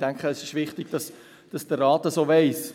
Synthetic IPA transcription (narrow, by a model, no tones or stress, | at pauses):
d̥ɛŋkχəɛsɪʃʋɪχtɪɡ̥d̥ɑs | d̥ɑsd̥ərːɑːtəsoːvɛɪs